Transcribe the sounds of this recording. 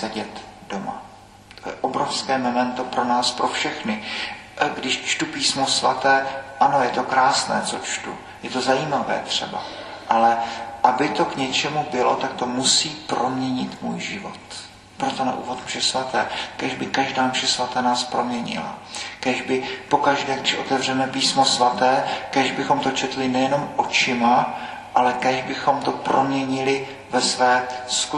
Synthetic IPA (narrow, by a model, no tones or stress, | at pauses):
sɛɟɛt̪d̥oma̰ | t̪ojɛʔobɾofskɛːmomɛnt̪opɾo̞naːspɾo̞fʃɛxnɪ | ɡdɪʃt͡ʃt̪upiːsmosva̰t̪ɛːʔano̞jɛt̪o̞kɾaːsnɛ̰ːt͡sot͡ʃt̪ṵ | jɛt̪ozajiːmavɛ̰ːt̪r̝̥ɛ̰ba̰ | ʔalɛʔabɪt̪o̞kɲɛt͡ʃɛmubɪlo̰t̪ak̚t̪o̞musiːpɾomɲɛɲɪt̪mṵːjʒɪvo̞̰t̪ | pɾo̞t̪o̞na̰ʔṵːvo̞t̪mʒ̥ɛsvat̪ɛːkɛʒbɪkaʒdaːmʒ̥ɛsvat̪aːnaːspɾo̞mɲɛɲɪ̰la̰kɛʒbɪpo̞kaʒdɛːɡdɪʃʔo̞t̪ɛvr̝ɛmɛpiːsmo̞svat̪ɛːkɛʒbɪxo̞mt̪o̞t͡ʃɛt̪lɪnɛjɛno̞mʔo̞t͡ʃɪma | ʔalɛkɛʒbɪxo̞mt̪o̞pɾomɲɛɲɪlɪ | vɛsvɛːsku